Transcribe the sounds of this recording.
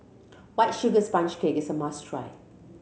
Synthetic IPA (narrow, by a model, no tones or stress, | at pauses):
waɪtʃuɡəspãnt͡ʃkʰekɪsəmastʰɹa̰ɪ